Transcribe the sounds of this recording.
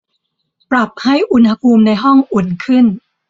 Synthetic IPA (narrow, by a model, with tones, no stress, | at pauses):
pɾa˨˩p̚ha˥˩jʔu˧nha˧pʰuː˧mna˧jɦɔ˥˩ŋʔu˨˩ənkʰɯ˥˩n